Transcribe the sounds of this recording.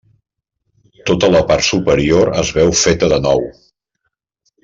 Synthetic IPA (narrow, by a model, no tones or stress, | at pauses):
t̪ot̪ələpaɾt̪supəɾioɾə̰zβɛwfet̪əðənɔw